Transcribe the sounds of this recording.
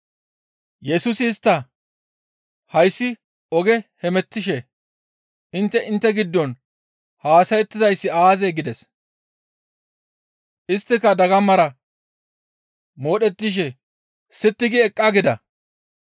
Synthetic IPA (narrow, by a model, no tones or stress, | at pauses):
jɛsʊsɪːst̪ːɐ | hɐjsːɪ | ɔɡɛhɛmɛt̪ːɪʃɛ | ɪnt̪ːɛʔɪnt̪ːɛɡɪd̪ːɔn | haːsɐjɛt̪ːɪzɐjsːɪaːzeɡɪd̪ɛs | ʔɪst̪ːɪkːɐd̪ɐɡɐmːɐɾɐ | moːɗɛt̪ːɪʃ̬ɛ | sɪt̪ːɪɡɪɛkʼːɐɡɪd̪ɐ